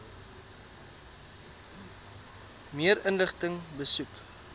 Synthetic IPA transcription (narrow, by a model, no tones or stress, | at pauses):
miəɾənləχtəŋbəsuk